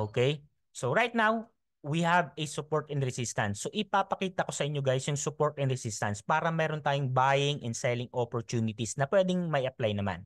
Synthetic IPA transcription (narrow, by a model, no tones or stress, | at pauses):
ʔoːkɛj | soɹajt̪̚naw | wihɐvɛsʊpoɹt̪ɛnɾɛsist̪ɐnsːoʔɪpapɐkiːt̪ɐko̞sɐʔɪɲːoɡaːjsjʊŋsʊpo̞ɹt̪ɛnɾɛsist̪ɐnspaːɾɐmɛːɾont̪aːjʊŋbaːjɪŋʔɛnsɛlɪŋʔopoɹt̪uːnɪt̪isnɐpwɛːd̪ɪŋmɐɪɐplajnɐma̰n